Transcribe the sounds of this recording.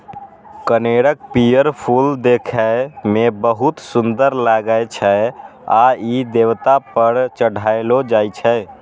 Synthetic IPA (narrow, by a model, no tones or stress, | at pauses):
kəneɽək̚pijəɾpʰuld̪ekʰɛmebəɦut̪sund̪əɾlaɡəet͡ʃʰɛa̰id̪ewt̪apəɾt͡ʃəɽ̤ʱaelod͡ʒajt͡ʃʰɛ